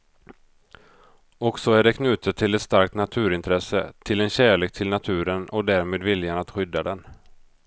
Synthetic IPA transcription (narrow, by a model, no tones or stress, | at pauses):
ɔksɔæɖɛkʰnʉ̟ːt̪ət̪ʰːɪlɛt̪st̪aɾkt̪nat̪ʰʉ̟ːɾɪnt̪ʰɾɛsə̰t̪ʰɪlɛnɕæːɭeːk̚t̪ʰɪlnat̪ʰʉ̟ːɾənʔɔd̪æːɾmeːd̪vɪljanat̪ɧʏd̪ːad̪ɛn